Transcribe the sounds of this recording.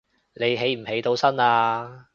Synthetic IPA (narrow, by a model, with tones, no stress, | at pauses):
le˨˧jɦe˨˧˥jm̩˨˩he˨˥jt̪o˧wsɐ˥naː˧